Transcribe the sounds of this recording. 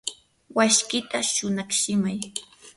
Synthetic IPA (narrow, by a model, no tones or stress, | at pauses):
waʃkɪt̪aʃʊnɑχʃɪmaj